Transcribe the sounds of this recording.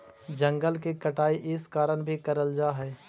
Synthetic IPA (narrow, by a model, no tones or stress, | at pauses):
d͡ʒə̃ŋɡəlkekəʈaːiʔɪskaːɾəɳbʱikəɾəld͡ʒaːɦɛː